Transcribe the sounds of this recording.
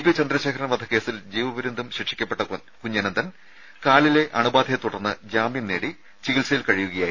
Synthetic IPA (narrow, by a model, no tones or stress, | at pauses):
ipit͡ɕɐnd̪ɾɐɕeːkʰɐɾɐnɐʋɐd̪ʱɐke̞ːsild͡ʑiːʋɐʋɐɾund̪ʱumɕiʈʂikʲːɐpːeʈːɐ | kuɲːɐnɐnd̪ɐn | kaːɭile̞ʔɐɳubaːd̪ʱʰɐjɐt̪uɽɐrnːɨd͡ʑaːminːeːɽi | t͡ɕiɣilsɐjilkɐɻijuɣɐjaːji